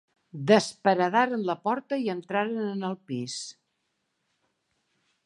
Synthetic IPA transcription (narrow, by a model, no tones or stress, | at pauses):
d̪əspəɾəðaɾənləpɔɾt̪əiənt̪ɾaɾənənəlˠpis